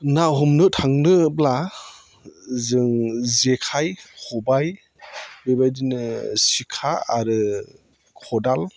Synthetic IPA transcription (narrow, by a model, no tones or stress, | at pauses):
naɦɔmnɯtʰaŋnɯbla | zɯŋzekʰajhɔbaj | bebajdinɯsikʰaːɾɯ | kʰɔdal